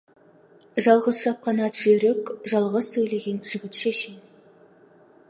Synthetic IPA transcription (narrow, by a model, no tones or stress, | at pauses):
ʒɑlˠʁəzʃɑp̚qɑnɑt̪ʒ̥ɵɾɪkʒɑlˠʁəz̥sɵjleɡʲenʒ̥ʏɡʲɪt̪ʃeʃɪm